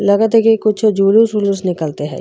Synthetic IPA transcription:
lɐɡət̪ɦɛkikʊt͡ʃʰd͡ʒulusulusnɪkəlt̪eɦɛ̰ː

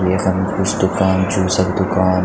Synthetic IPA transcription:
jexɐmkʊt͡ʃʰd̪ʊkaːnd͡ʒuːsɐbd̪ʊkaːn

